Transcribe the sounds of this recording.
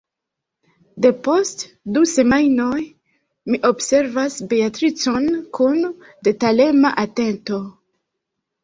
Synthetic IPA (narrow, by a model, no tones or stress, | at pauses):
de̞po̞st | duse̞majno̞j | miʔo̞bse̞ɾvasbe̞atɾit͡so̞nkun | de̞tale̞maʔate̞nto̞